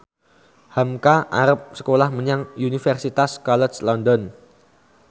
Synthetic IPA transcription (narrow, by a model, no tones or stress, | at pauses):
hamkaʔa̰ɾəp̚sə̥kolahməɲaŋunifɛrsit̪askɔlɛt͡ʃlɔndɔn